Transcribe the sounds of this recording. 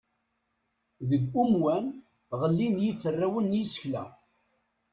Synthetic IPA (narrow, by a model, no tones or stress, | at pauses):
ðəɡʷumwæn | ʁəlːinjiθərːæwənjisə̥çlæ̰